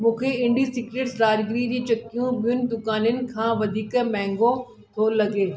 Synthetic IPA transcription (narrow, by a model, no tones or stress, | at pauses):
mũːkʰeɪ̃ɳɖisɪkɾeʈsɾaːd͡ʑɡɪɾid͡ʑiːt͡ɕɐkijũbijʊnɪ̆d̪ʊkaːnʊnɪ̆kʰãːʋɐd̪ʱiːkmɛ̃ːŋɡo | t̪ʰolɐɠeː